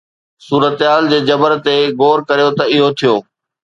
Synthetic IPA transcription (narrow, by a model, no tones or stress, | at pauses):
suːɾət̪ɦaːld͡ʑeːd͡ʑɐbəɾt̪eɡoːɾkɐɾijot̪ɐɪɦot̪ʰijoː